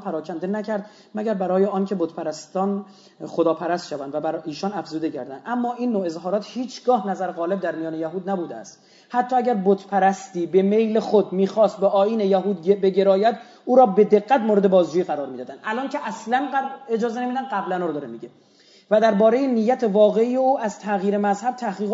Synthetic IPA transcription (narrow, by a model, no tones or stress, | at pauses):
pʰæɾɒːcʰænd̪enæcʰæɾd̪ | mæɟæɾbæɾɒːjeɒːncʰe̞bot̪pʰæɾæst̪ɒːn | χod̪ɒːpʰæɾæst̪ʃævænd̪væbæɾiːʃɒːnæfzuːd̪e̞cʰæ̰ɾd̪ænd̪ʔæmːɒːʔiːnːoːe̞zɦɒːɾɒːt̪hiːt͡ʃʰɡɒːhnæzæɾɣɒːle̞b̚d̪æɾmijɒːnejæɦuːd̪næbuːd̪eæ̰st̪ | hæt̪ʰːɒːæɟʲæɾbot̪pʰæɾæst̪iːbe̞me̞jlexod̪miːxɒːst̪̚beʔɒːiːnejæɦuːd̪be̞ɟe̞ɾɒːjæd̪ | uːɾɒːbe̞d̪e̞ɡːæt̪moːɾeebɒːzd͡ʒuːjiːɣæɾɒːɾmiːd̪ɒːd̪ænd̪ʔælɒːncʰeʔæslænɡæed͡ʒɒːzenemiːd̪ænɡæblænɒːɾd̪ɒːɾemiːɟe | væd̪æɾbɒːɾe̞jenijːæt̪ʰe̞vɒːɣe̞iːjeuːʔæz̥t̪ʰæɣiːɾe̞mæzhæb̥̚t̪ʰæhɡiːɣ